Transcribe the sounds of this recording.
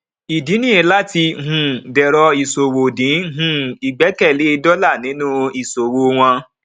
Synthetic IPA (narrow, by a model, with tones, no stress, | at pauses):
i˨di˨˦nĩ˦e˨˦la˦ti˧ɦũ˨dɛ˨ɾɔ˧i˨so˨wo˨dĩ˨˦ɦũ˨i˨ɡ͡bɛ˨˦kɛ˦˨le˨˦i˧dɔ˦la˦˨nĩ˨˦nũ˦i˨so˨wo˧w̃ã˧